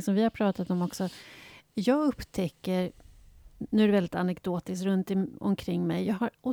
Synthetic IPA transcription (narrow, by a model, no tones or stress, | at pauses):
sɔmvɪhaɾpʰɾɑːt̪at̪ɔmɔksɔ | jɑːɡɵpːt̪ʰɛkːəɾ | nʉ̟æɾɛvɛld̪ɪt̪anɛkd̪̥oːt̪ɪskt̪ɾɵnt̪ɪɔ̰mkʰɾɪŋːmɛjjɑːɡɦaɾʔɔ